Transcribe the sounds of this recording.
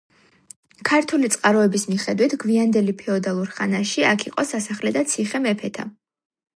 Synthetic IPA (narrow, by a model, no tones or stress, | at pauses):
kʰaɾt̪ʰulit̪sʼqʼaɾɔɛbismiχɛd̪wit̪ʰɡviand̪ɛlipʰɛɔd̪alˠuɾχanaʃiakʰiqʼɔsasaχlɛd̪at̪sʰiχɛmɛpʰɛt̪ʰa̰